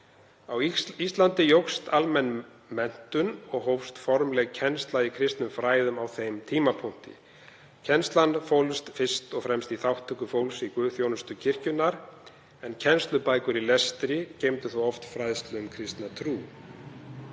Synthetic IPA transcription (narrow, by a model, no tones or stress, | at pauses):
awist̪lant̪ɪjowxst̪almɛnː | mɛn̥t̪ʏnɔɣɦowst̪fɔɾmlɛɣcʰɛnst̪laikʰɾɪst̪nʏmfɾaːjðʏmawθejmt̪ʰiːmapʰɔŋ̥t̪ɪ̰ | cʰɛnst̪lanfowlst̪fɪst̪ɔɣfɾɛmst̪iθawht̪ʰʏkʏfowlsikvʏːðθjownʏst̪ʏcʰɪr̥cʏnːaɾ̥ | ɛncʰɛnst̪lʏpaːjkʏɾilɛst̪ɾɪcejmt̪ʏθuwɔft̪fɾajðst̪lɛʏmkʰɾɪst̪nat̪ʰɾuː